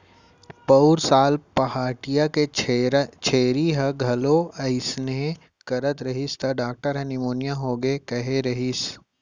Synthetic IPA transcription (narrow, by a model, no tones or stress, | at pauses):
pɐʊɾsaːlpɐɦaːʈijake | t͡ʃʰeːɾiɦɐɡʱɐloɐɪsne | kɐɾət̪ɾɐɦɪst̪ɐɖaːk̚ʈəɾɦɛ̃nɪmoːnijãɦoːɡekɐɦeɾɐɦɪs